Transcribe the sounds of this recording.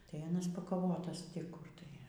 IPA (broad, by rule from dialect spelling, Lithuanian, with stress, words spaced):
tɐɪ ɐˈnɐs pɐkɐˈʋoːtɐs tʲɪ ˈkʊr tɐɪ